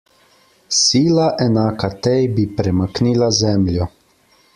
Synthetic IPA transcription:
siːlaʔɛnaːkat̪ɛjbipɾɛmakniːlazɛmljɔ

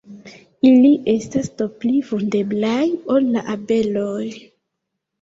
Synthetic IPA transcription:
iliʔe̞stastoplivunde̞blajo̞lːaʔabe̞loj

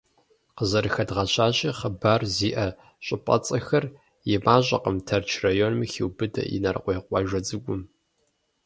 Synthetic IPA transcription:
qəzɐɾɨxɐdʁɐɕʰaːɕiːχəbaːrziːʔɐ | ɕʷʼɪpʼɐ̰t͡sʼɐxɐr | jɛmaːʑʼɐ̰qəmtʰɐrt͡ʃʰrajonmixiwbɨdʰɐ̰ḭnɐrqʷɔjqʷʼɑʒʷɐd͡zɨɡʷʊm

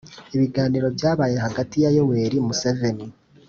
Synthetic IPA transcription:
iβiɡaːniːɾo̞bjaːβaːje̞ɦaɡatijajo̞we̞ːɾimuseve̞ni

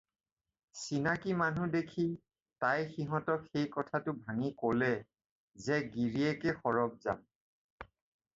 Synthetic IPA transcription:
sinakimanudekʰi | tajxiɦɔ̃tɔkxejkɔtʰatʊbʱaŋikolɛ | zɛɡiɹiɛkɛxɔɹɔb̚za̰m

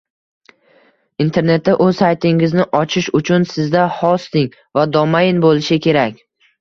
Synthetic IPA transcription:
int̪ʰe̞ɾne̞t̪ːaʔɵzsajt̪ʰɪŋɪznɪʔɒt͡ʃʰɪʃʊt͡ʃʰʊnsɪzd̪ahɒst̪ɪŋ | vad̪ɒmajɪnbolɪʃɪkʲʰe̞ɾakʲ

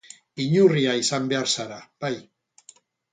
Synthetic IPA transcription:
iɲuriaisambe̞aɾsaɾab̥aj

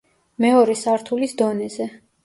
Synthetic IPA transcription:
mɛɔɾɛsaɾt̪ʰulisd̪ɔnɛzɛ

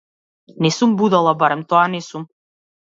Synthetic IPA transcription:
nɛsumbud̪alˠabaɾɛmt̪ɔanɛsum

